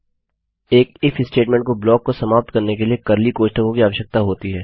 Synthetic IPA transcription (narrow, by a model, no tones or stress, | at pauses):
eːkɪfʰɪsʈeːʈmɛ̃ɳʈ̚koblɔːkːosɐmaːp̚t̪kɐɾnek̬eliekɐɾlikoːʃʈəkõkiaːʋəʃjək̚t̪aɦoːt̪iɦɛː